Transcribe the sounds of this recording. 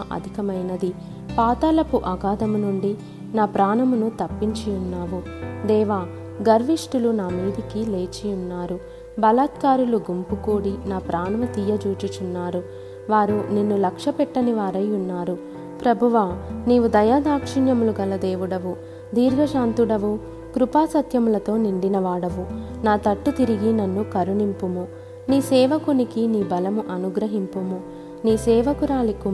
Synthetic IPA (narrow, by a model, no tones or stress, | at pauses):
ʔɐ̰d̪ʱikɐmɐjnɐd̪i | paːt̪ɐlɐpuʔɐɡaːd̪ɐmunuɳɖi | naːpɾaːnɐmunut̪ɐpːiɲt͡ʃiunːaːʋu | d̪ɛːʋaː | ɡɐɾʋiʂʈulunaːmiːd̪ikileːt͡ʃijunːaːɾu | bɐlaːt̪kaːɾuluɡumpukuːɽinaːpɾaːnɐʋɐt̪iːjɐd͡ʒuːt͡ʃit͡ʃunːaːɾu | ʋaːɾuninːulɐkʂɐpɛʈːɐniʋaːɾɐjunːaːɾu | pɾɐbʱuʋaːniːʋud̪ɐjaːd̪aːkʂiɳjɐmuluɡɐlɐd̪eːʋuɽɐʋu | d̪iːɾɡʱɐʃaːnt̪uɽɐʋu | kɾupaːsɐt̪jɐmulɐt̪o̞ːniɳɖinɐʋaːɽɐʋu | naːt̪ɐʈːut̪iɾiɡinɐnːukɐɾuɳimpumu | niːsɛːʋɐkunikiniːbɐlɐmuʔɐnuɡɾɐɦimpumu | niːsɛːʋɐkuɾaːliku